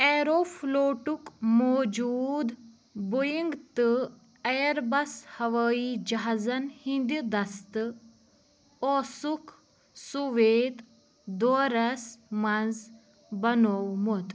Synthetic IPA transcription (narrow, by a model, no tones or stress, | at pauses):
eɾoːfʰloːʈukmoːd͡ʒuːd̪ | bojiŋɡt̪ɨ | ɐjɐɾbɐshɐʋəːid͡ʒɐɦazɐnhind̪id̪ɐst̪ɨ | oːsuk | suʋeːt̪ | d̪oɾɐsmɐnz | bɐnowmot̪